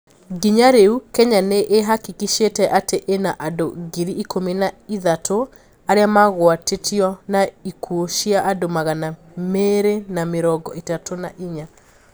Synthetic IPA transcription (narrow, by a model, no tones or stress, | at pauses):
ɡiɲaɾeukɛɲaneʔeɦakikiʃetɛʔateʔenaʔadoɡiɾiʔikʰomenaiðatʰo | aɾeamaɣwatetʰiɔnaikʰuoʃiaʔadomaɣana | meɾenameɾɔɡɔitatʰona̰ʔiɲa